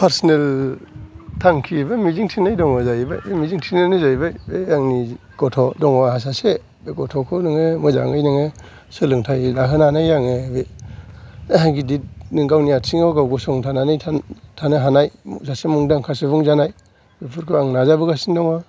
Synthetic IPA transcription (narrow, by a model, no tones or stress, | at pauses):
pʰaɾsɔnel | tʰaŋkʰibamiziŋtʰinajdɔŋɔzajbajbemiziŋtʰinenizajbajbeaŋni | ɡ̥ɔtʰɔdɔŋahas̬ase | beɡɔtʰɔkʰɯnɯŋemɯza̰ŋɯ̰jnɯŋe | sɯlɯŋtʰajlaɦɯnanajaŋebe | ɡidit̚nɯŋɡawnijatsiŋaɡawɡɔsɔŋtʰananɯjʰatʰanɯɦanajmṵsasemuŋdaŋkʰasebuŋzanaj | bipʰuɾkʰɯaŋnazabɯɡasindɔŋa